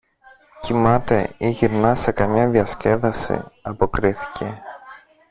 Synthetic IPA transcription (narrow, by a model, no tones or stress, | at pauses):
cimɐt̪e̞iʝiɾnɐse̞kɐmɲɐðiɐsce̞ðɐsḭɐpo̞kɾiθi̥ce̞